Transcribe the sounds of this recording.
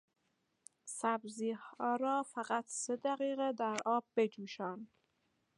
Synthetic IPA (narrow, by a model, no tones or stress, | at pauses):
sæbziːhɒːɾɒːfæɢæt̪ʰsed̪æɣiːɣed̪æɾɒːb̚ːe̞d͡ʒuːʃæːn